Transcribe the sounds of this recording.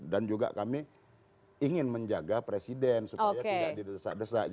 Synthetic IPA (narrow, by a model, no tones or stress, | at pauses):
dand͡ʒuɡa̰kami | iŋɪnməɲd͡ʒaɡapɾesidɛnsupojaedadidəəsa̰ʔdəsaʔ